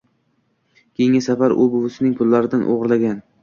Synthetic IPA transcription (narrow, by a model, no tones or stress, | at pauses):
kʲʰeŋʲasafaɾʊ̰bʊvʊsɪnɪŋpʰʊlˠːaɾɪd̪anʔo̰ʁɾlaɡʲan